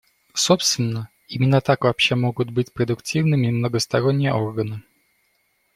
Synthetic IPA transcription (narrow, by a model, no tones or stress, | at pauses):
sopst̪vʲɪnːə | imʲɪnːət̪akvɐːpɕːe̞mo̞ɡʊt̪̚bɨtʲpɾəd̪ʊktʲivnɨmʲɪmnəɡəst̪ɐɾonʲːɪjə̰ʔo̞rɡənɨ